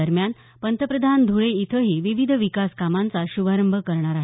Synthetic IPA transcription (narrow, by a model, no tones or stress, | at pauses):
əɾmjan | pənt̪əpɾəd̪ʱand̪ʱuɭeit̪ʰəɦiːʋiʋid̪ʱəʋikaskamant͡saɕubʱaɾəmbʱəkəɾɳ̃aɾaɦ